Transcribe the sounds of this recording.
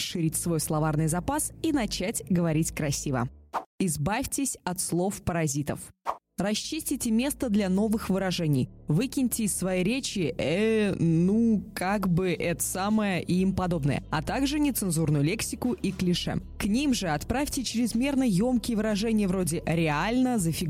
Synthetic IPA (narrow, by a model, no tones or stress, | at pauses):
ʂɨɾʲitʲsvo̞jslˠɐvarnɨjzɐpasinɐt͡ɕætʲɡəvɐɾʲitʲkɾɐsʲivə̰ɪzbafʲtʲɪsʲɐt̪slˠo̞fpəɾɐzʲit̪ə̰f | rɐɕːisʲtʲɪtʲɪmʲe̞st̪əd̪lʲɐno̞vɨxvɨɾɐʐɛnʲɪjvɨkʲɪnʲtʲɪːsvɐjiɾʲet͡ɕɪɛnukaɡbɨʔɛt̪ə̥saməjəʔiimpɐd̪o̞bnə̰jə̰ɐ̰t̪aɡʐɨnʲɪt̪sɨnzurnʊjʊlʲe̞ksʲɪkʊʔiklʲɪʂɛ̰ | knʲimʐɨɐt̪pɾafʲtʲɪt͡ɕɪɾʲɪzmʲe̞rnəjo̞mkʲɪjəvɨɾɐʐɛnʲɪjəvɾo̞dʲɪɾʲɪalʲnəzəfʲɪɡ